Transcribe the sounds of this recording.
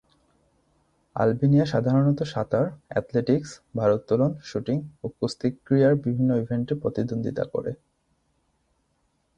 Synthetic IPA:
a̰lbinijaʃad̪ʱaɾonɔt̪oʃat̪aɾɛ̰t̪leʈiksbʱaɾot̪ːɔlonʃuʈiŋokust̪ikːɾijaɾbibʱinːoibʱeɳʈepɾot̪id̪ond̪ʱit̪a̰ko̰ɾḛ

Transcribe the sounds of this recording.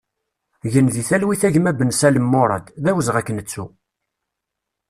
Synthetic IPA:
ʝənðiθælwiθæʝmæbənsæləmːoɾˤɑ̰d̪ðæwəzʁækːənət͡sːu

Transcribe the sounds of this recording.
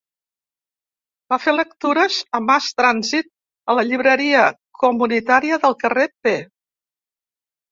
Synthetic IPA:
bafelək̚t̪uɾəzəmast̪ɾanzit̪̚ | ələʎiβ̞ɾəɾiə | kumunit̪aɾiəðəlˠkərepe

